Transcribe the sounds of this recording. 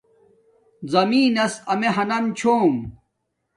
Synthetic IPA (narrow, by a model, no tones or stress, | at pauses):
zɐmiːnɐsɐmeɦɐnɐmt͡ɕʰoːm